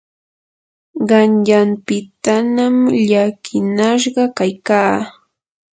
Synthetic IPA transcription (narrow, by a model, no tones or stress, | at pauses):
ɢɑnʎampɪt̪anamʎakʰɪnaʃ̬ɢɑkajkaː